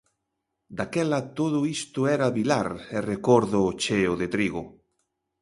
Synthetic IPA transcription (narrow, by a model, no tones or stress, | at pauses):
d̪akɛlat̪oðʊist̪ʊɛɾaβilaɾerekoɾðot͡ʃeoðet̪ɾiɣo